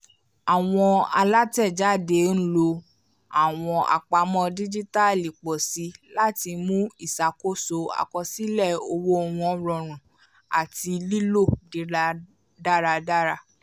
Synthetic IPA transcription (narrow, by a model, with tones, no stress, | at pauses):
a˨w̃ɔ̃˧a˧la˦tɛ˦˨d͡ʒa˦˨de˨˦n̩˦lo˧ | a˨w̃ɔ̃˧ʔa̰˨k͡pa˧˦mɔ̃˦di˦d͡ʒi˦ta˦˨li˨k͡pɔ˨si˨˦la˦ti˧mũ˦i˦˨sa˨ko˦so˧a̰˨kɔ˧si˦lɛ˦˨o˧wo˦˧˨w̃ɔ̃˧˦ɾɔ˧˨ɾ̃ũ˨ | a˨ti˧li˦lo˦˨di˨˦ɾa˦ | da˦ɾa˧da˦ɾa˧